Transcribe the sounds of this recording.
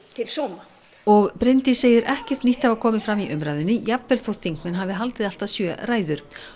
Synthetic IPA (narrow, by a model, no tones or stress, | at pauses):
t̪ʰɪlsɔːna | ɔɣpɾejnt̪ɪseːjɪɾʔɛhcɛ̥t̪niht̪avakʰɔːmɪfɾamiʔʏmɾaːjðʏnːʏjapvɛlθowt̪θiŋkmɪnɦaːvɪɦalt̪ɪðal̥t̪asjœːraːjðʏɾ̥